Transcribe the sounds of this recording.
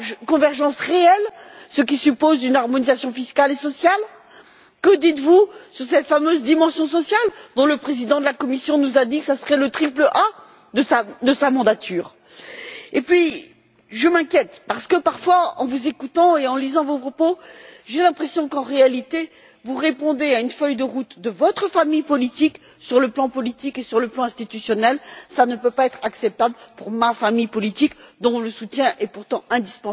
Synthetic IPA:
kɔ̃vɛʁʒɑ̃sʁeɛl | sək̬ʲisypozynaʁmɔnizasjɔ̃fiskalesɔsjal | kəd̪it̪vusyʁsɛt̪famøzd̪imɑ̃sjɔ̃sɔsjald̪ɔ̃ləpχezid̪ɑ̃d̪əlakɔmisjɔ̃nuzad̪ikə̥sasəʁɛlət̪χipləʔa | d̪əsad̪əsamɑ̃d̪at̪ʰyːʁ | epɥi | ʒəmɛ̃kʲjɛt̪paʁsə̥kəpaʁfwaɑ̰̃vuzekut̪ɑ̃eɑ̃lizɑ̃vopχɔpoʒelɛ̃pχesjɔ̃kɑ̃ʁealit̪e | vuʁepɔ̃d̪eaynfœjd̪əʁut̪d̪əvɔt̪χəfamijpɔlit̪ik | syʁləplɑ̃pɔlit̪ikesyʁləplɑ̃ɛ̃st̪it̪ysjɔnɛlsanəpøpaɛt̪χaksɛp̚t̪ablpuʁmafamijpɔlit̪ikd̪ɔ̃ləsut̪jɛ̃ʔɛpuʁt̪ɑ̃ɛ̃d̪ispɑ̃

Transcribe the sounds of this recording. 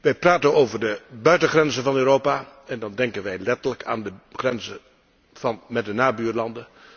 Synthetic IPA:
ʋɛjpraːtənowvəɹdəbœɥtəχrɛnzənvɑnøːɾowpaː | ɛndɑndɛŋkənʋɛjlɛtələka̰ːndəχrɛnzə | v̥ɑnmɛt̚dənaːbyːɹlɑndə

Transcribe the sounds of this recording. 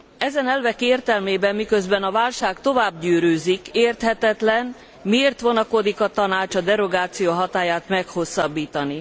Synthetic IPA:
ɛzɛnɛlvɛkeːrt̪ɛlmeːbɛmːikøzbɛnɒvaːlʃaːkt̪o̞vaːbɟyːɾøːzikeːrt̪hɛt̪ɛt̪lɛn | mieːrt̪ʋo̞nɒko̞d̪ikɒt̪ɒnaːt͡ʃɒd̪ɛɾo̞ɡaːt̪sijoːɦɒt̪aːjaːt̪mɛkho̞sːɒbːiːt̪ɒni

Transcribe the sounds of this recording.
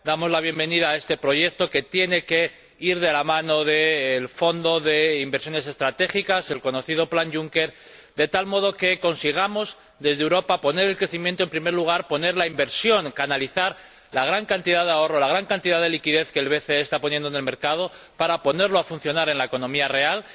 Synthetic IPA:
d̪amo̞zlaβ̞je̞mbe̞nið̞aːe̞st̪e̞pɾo̞ʝe̞k̚t̪o̞ke̞t̪je̞ne̞ke̞ | iɾðe̞lamãno̞ðeːlfo̞nd̪o̞ðe̞imbeɾsjo̞ne̞se̞st̪ɾat̪e̞xikase̞lko̞no̞θið̞o̞planʝuŋke̞ɾ | d̪e̞t̪almo̞ð̞o̞ke̞ko̞nsiɣ̞amo̞z | d̪e̞zðewɾo̞papo̞ne̞ɾe̞lkɾe̞θimjẽnt̪oe̞mpɾime̞ɾluɣ̞aɾpo̞ne̞ɾlaimbe̞ɾsjo̞ŋkanaliθaɾ | laɣ̞ɾaŋkant̪iðaðeao̞ro̞laɣ̞ɾaŋkant̪iðaðe̞likiðe̞θke̞ːlβe̞θeest̪apo̞njend̪onelme̞ɾkað̞o̞ | paɾapo̞ne̞ɾlo̞afun̟θjo̞naɾe̞nlae̞ko̞nõ̞miare̞al

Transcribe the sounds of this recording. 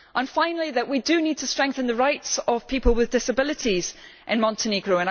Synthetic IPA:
ʔə̃nfãɪ̃nəl̩ˠiðəʔwidənid̚tʰəstɹ̥ɛ̃ŋkθə̃nðəɹaɪtsəv̥pʰipəlˠwɪðdɪsəbɪlˠɪʔiz̥ʔɪ̃nmɒ̃ntʰɪneɡɹoə̃n

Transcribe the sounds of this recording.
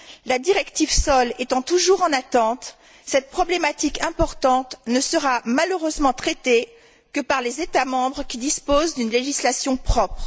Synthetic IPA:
lad̪iʁɛkt̪ivsɔlet̪ɑ̃t̪uʒuʁɑ̃nat̪ɑ̃t̪ | sɛt̪̚pχɔblemat̪ikɛ̃pɔʁt̪ɑ̃t̪nəsəʁamaløʁøzmɑ̃t̪χɛt̪e | kəpaʁlezet̪amɑ̃bʁəkʲid̪ispozd̪ynleʒislasjɔ̃pχɔpχ

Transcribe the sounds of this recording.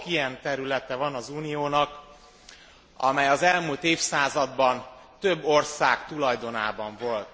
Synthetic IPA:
kijɛnt̪ɛɾylɛt̪ɛvɒnɒzuːnijoːnɒk | ɒ̰mɛjɒzɛlmult̪eːfsaːzɒd̪bɒnt̪ø̞bːo̞rsaːkt̪ulɒjd̪o̞naːbɒɱvo̞lt̪

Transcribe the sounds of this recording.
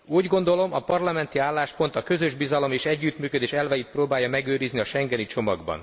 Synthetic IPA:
uːɟɡo̞nd̪o̞lo̞mɒpɒrlɒmɛnt̪iaːlːaːʃpo̞nt̪ɒkø̞zø̞ʒbizɒlo̞meːʃɛɟːyːt̪myːkød̪eːʃɛlvɛjit̪̚proːbaːjːɒmɛɡøːɾizniɒʃɛŋɡɛnit͡ʃo̞mɒɡbɒ̰n

